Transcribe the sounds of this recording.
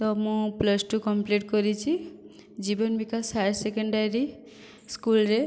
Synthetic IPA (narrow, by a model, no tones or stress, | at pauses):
t̪ɔmũpləsʈukɔmpliʈkɔɾit͡ʃʰi | d͡ʒibɔnbikasajɾsekɔɳɖaɾi | skulɾe